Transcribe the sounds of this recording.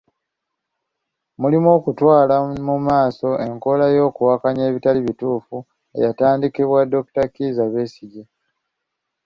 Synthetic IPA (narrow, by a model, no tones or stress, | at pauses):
mulimo̞ːkutwaːlamumaːso̞e̞ŋko̞lajo̞ːkuwakaɲeːβitaliβituːfu | e̞̰jataːndikiβwado̞ktakizaβeːsiɟe